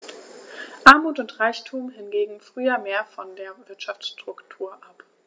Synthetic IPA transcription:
ʔaɐmuːtʊntʁaɪçtʰuːmɦɪnɡeːɡŋ̩fʁ̥yːɐmeːɐfɔndeːɐvɪɐtʃaft͡sʃtʁ̥ʊktʰuːɐʔap

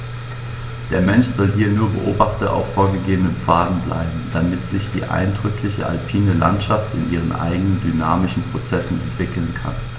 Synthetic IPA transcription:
d̥eːɐmɛnʃz̥ɔlɦiːɐnuːɐbə̰ʔoːbaχtɐʔa̰ʊfoːɐɡəɡeːbənənfaːdn̩bla̰ɪbm̩d̥amɪtz̥ɪçd̥ḭːʔa̰ɪndʁʏklɪçə̰ʔa̰lpʰiːnəla̰ntʃaftɪ̰nʔiːʁ̞ənʔa̰ɪɡənəndynaːmɪʃn̩pʁ̥ot͡sɛsn̩ɛ̰ntv̥ɪkl̩nkʰa̰n

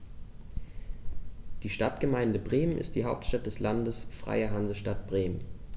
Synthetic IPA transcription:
d̥iːʃtatɡ̥əmaɪndəbʁeːmənɪ̰st̚d̥iːɦaʊp̚tʃtat̚d̥ɛslandəsfʁ̥a̰ɪɐɦanzəʃtat̚b̥ʁeːmən

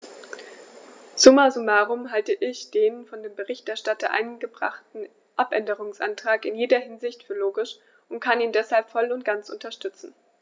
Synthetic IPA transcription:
z̥ʊmazʊmaːʁʊmɦaltəʔɪçd̥eːnfɔndeːmbəʁɪçtɛɐʃtatɐ̰ʔa̰ɪnɡəbʁa̰χtn̩ | ʔapʔɛndəʁ̞ʊŋsʔa̰ntʁ̥aːkɪnjeːdɐhɪnzɪçtfyːɐloːɡɪʃ | ʔʊntkʰaniːndɛshalpfɔlʊntɡ̥ant͡sʔʊ̰ntɐʃtʏt͡sn̩

